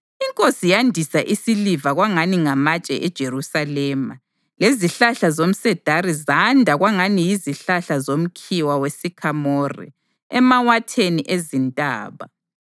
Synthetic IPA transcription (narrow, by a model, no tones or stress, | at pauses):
iŋkʼosijandʱisaʔisilivaɣwaŋaniŋamat͡ʃʼɛ̰ʔɛd̥ʒ̥ʱerusalɛːma | leziɬaɬazom̩sɛd̥ʱaɾizandʱaɣwaŋanijiziɬaɬazom̩kʰiwawesikʰamorḭ | ɛmawatʰeniʔezintʼa̰ːβa̰